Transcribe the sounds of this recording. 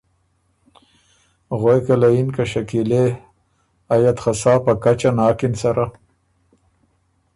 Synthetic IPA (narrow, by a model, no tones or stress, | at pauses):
ɣwojkalainkaʃakile | ajat̪xasɑːpakat͡ʃanɑːkɪnsaɾa